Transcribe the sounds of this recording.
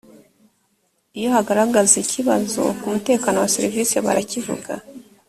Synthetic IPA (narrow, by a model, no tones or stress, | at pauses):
ijo̞haɡaɾaɡazicʰiβa̰zo̞̰kumute̞ːkaːno̞waseɾiviːse̞βa̰ɾacivṵɡa̰